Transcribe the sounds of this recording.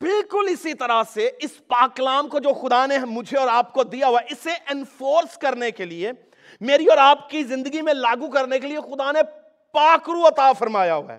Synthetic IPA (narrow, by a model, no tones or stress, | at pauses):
bɪlkʊlɪsit̪ɐɾaseɪspaːklaːmkod͡ʒoːxʊd̪anemʊd͡ʒʱeɔːɾaːp̚kod̪ijaɦoaɛɪseʔɪnfoːɾskɐɾnekelie | meːɾiɔːɾaːpkizɪ̃nd̪əɡimẽlaːɡukɐɾnekeliexʊd̪ane | paːkɾuɐt̪afɐɾmaːjaɦoa̰ː